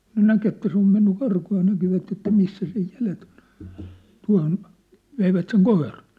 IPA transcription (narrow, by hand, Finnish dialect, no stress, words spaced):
kŭn næk etːæ se om menːy kɑrkuː jɑ nækiʋæt etːæ misːæ sej jælet o̥n̥ tuɑ̝hon ʋeiʋæt seŋ koirɑn̞